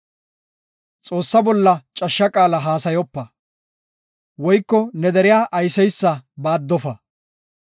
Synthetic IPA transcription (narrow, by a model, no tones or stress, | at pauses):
t͡sʼo̞ːsːɐbɔlːɐt͡ʃʼɐʃːɐkʼaːlɐɦaːsɐjɔpːɐ | wɔjkːɔnɛd̪ɛɾɪjaːʔɐjsɛjsːɐbaːd̪ːɔfɐ